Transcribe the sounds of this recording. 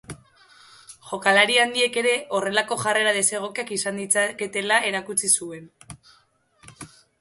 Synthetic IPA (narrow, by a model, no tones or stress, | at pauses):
ʝo̞kalaɾiand̪ie̞ke̞ɾe̞ʔo̞re̞lako̞ʝare̞ɾað̞e̞se̞ɣ̞o̞keakisand̪it͡sake̞t̪e̞lae̞ɾakut͡sisue̞n